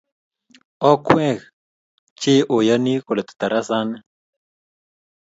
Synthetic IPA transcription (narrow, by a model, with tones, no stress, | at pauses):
ɔ˦kwɛ̃˦ɣ | t͡ʃɪ˦ʔo˨ja˦ni˦ko˨lɛ˨t̪u̥˨t̪a˨ɾa˦sa˦nɛ˦